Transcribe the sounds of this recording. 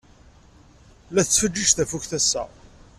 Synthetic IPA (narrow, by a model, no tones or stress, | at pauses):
læθət͡sːfəd͡ʒːəʒθæfukθæsːæ̰